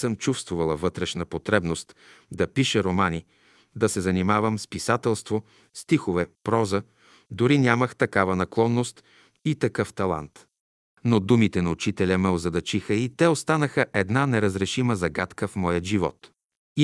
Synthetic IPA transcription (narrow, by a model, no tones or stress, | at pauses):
sɤmt͡ʃufst̪vʊvɐlˠəvɤt̪ɾɛʃnəpot̪ɾɛbnost̪ | d̪ɐpiʃɛɾomani | d̪ɐsɛzɐnimavəmspisat̪ɛlˠst̪vo | st̪ixovɛpɾɔzə | d̪ʊɾinʲaməxt̪ɐkavɐnɐklˠɔnːost̪ | it̪ɐkɤft̪ɐlˠa̰nt̪ | nod̪umit̪ɛnɐut͡ʃit̪ɛlʲɐmɛlˠzɐd̪ɐt͡ʃixəit̪ɛost̪anəxəʔɛd̪nanɛɾəzɾɛʃiməzɐɡat̪kəfmɔjəʒivɔ̰t̪